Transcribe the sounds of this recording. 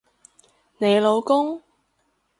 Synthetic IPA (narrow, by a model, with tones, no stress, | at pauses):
ne˨˧jlo˨˧wkʊ˥ŋ